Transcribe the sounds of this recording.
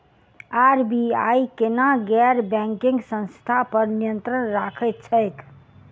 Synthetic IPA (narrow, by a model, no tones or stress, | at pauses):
aɾbia̰jkenaɡɛɾbɛ̃ŋkĩŋɡsə̃nst̪ʰapəɾnijənt̪ɾənɾakʰət̪̚t͡ʃʰəjk